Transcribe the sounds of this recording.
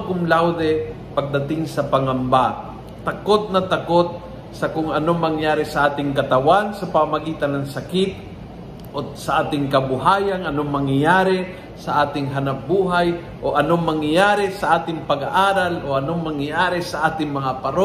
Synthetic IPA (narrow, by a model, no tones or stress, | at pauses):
kʊŋlawd̪ɛ | pɐɡ̚d̪ɐt̪ɪŋsɐpɐŋɐmba | t̪ɐkot̪̚nɐt̪ɐko̞t̪̚ | sɐkʊŋɐnoŋmɐŋjaːɾɛsɐʔaːt̪ɪŋkɐt̪ɐwansɐpamamɐɡiːt̪ɐnːɐŋsɐkɪt̪̚ | ʔosɐʔaːt̪ɪŋkɐbʊɦaːjɐŋɐnoŋmɐŋjajaːɾɛ | sɐʔaːt̪ɪŋɦɐnɐp̚buːɦaj | ʔoʔɐnoŋmɐŋjɐjaːɾɛsɐʔaːt̪ɪŋpɐɡaʔaːɾalʔoʔɐnoŋmɐŋjajaːɾɛsɐʔaːt̪ɪŋmɐŋapɐɾo